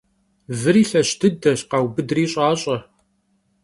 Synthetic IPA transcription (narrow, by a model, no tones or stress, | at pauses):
vɨɾiːɬɐɕtʰɨdɐɕqɑwbɨdriːɕʼaːɕʼɐ